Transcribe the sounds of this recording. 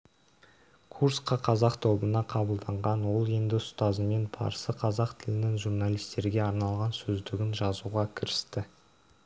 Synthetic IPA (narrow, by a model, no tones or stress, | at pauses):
kʰursqɑqʰɑzɑqt̪ʰo̞bənɑqʰɑbəlˠd̪ɑɴʁɑnwo̞lˠe̞nd̪ɪʊst̪ɑzəme̞nbʰɑ̰ɾsəqʰɑzɑqt̪ʰɪlɪnɪŋʒuɾnalijst̪e̞ɾɡʲe̞ɑɾnɑlˠʁɑnsɵzd̪ɪɡʲɪnʒɑzuʁɑkʲʰɪɾɪst̪ɪ